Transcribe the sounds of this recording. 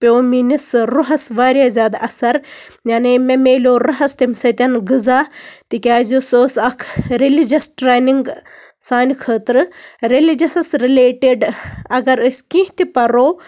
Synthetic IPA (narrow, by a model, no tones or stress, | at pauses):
pʲoːminisɾuɦɐsʋaːɾʲjaːzʲaːd̪ɐsɐɾ | jaːnememeːlʲoːɾɐɦɐst̪imʲsɐt̪ʲɐnɡɨzaːt̪ikʲaːzusoːsɐkʰɾelid͡ʒɐsʈɾeːniŋɡ | saːnikʰəːt̪ɾɨɾelid͡ʒɐsɐsɾileːʈeɖɐɡɐɾɐsʲkʲĩɦt̪ipɐɾoː